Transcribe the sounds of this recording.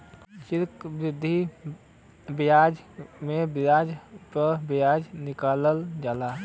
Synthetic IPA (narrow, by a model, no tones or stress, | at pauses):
ʃɪɾkbɾɪd̪ʱːi | bɪjaːd͡ʒmẽbjaːd͡ʒpəɾbɪjaːd͡ʒnɪkaːləld͡ʒaːla